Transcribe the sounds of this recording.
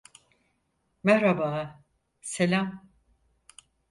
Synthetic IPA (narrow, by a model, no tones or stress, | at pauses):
mɛhɾabaː | selʲam